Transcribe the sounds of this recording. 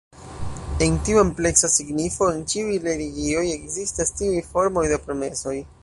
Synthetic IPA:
e̞ntiue̞mple̞ksasiɡnifo̞ent͡ʃiujɾe̞ɾiɡio̞je̞kzistastiujfo̞ɾmo̞jdepɾo̞me̞so̞j

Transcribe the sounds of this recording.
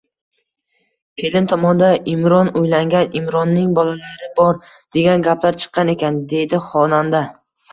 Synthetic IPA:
kʲʰe̞lɪnt̪ʰɒmɒnd̪aɪmɾɒnojlaŋɡʲanɪmɾɒnːɪŋbɒlalaɾɪbɒɾ | d̪̥e̞ɡʲanɡʲaplaɾt͡ʃʰɨ̥qːɑne̞kʲand̪e̞d̪ɪχɒnand̪a

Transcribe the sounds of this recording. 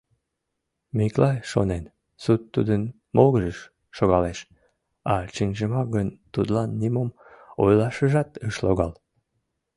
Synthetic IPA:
miklɑjʃo̰nen | sut̪ːud̪ən | moɣəʒəʃː | oɣɑleʃ | ɑt͡ʃinʲʒəmɑɡənt̪ud̪lɑnːimom | o̰jlɑʃəʒɑt̪əʃloɣɑl

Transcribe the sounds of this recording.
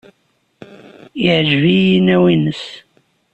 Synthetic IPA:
iʕəʒvijinːæwinəs

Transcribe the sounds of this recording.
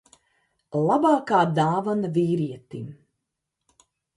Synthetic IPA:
lˠabaːkaːd̪aːvanaviːɾiɛt̪im

